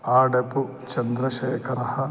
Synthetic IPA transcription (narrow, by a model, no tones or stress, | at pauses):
aːɖepu | t͡ʃɐnd̪ɾɐʃɐjkɐɾɐhɐ